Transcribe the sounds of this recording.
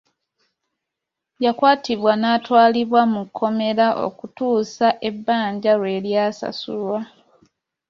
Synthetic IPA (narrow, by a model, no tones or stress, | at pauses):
jakwaːtiβwanaːtwaːliβwamukʰːo̞me̞ɾaʔo̰kutuːsaʔe̞bːaːɲɟaɾwe̞ːljaːsa̰sṵlwa